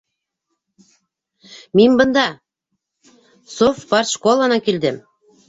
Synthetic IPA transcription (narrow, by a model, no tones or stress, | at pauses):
mimʲbɤ̆nd̪ɑ | sofpɑrʃkolˠɑnɑkild̪ɘm